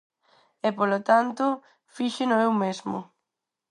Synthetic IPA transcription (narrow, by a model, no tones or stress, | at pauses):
ɛpolot̪ant̪ʊ | fiʃɪnʊewmezmʊ̰